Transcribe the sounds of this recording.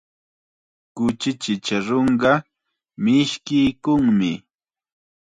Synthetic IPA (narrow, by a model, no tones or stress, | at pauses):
kʊt͡ʃɪt͡ʃɪt͡ʃaɾoɴɢɑ | mɪʃkɪjkʊŋmɪ